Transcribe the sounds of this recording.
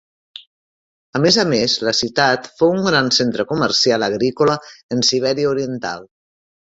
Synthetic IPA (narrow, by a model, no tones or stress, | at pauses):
əmezəmezləsit̪at̪fouŋɡɾansent̪ɾəkuməɾsialəɣɾikoləənsiβ̞ɛɾiəuɾiənt̪a̰lˠ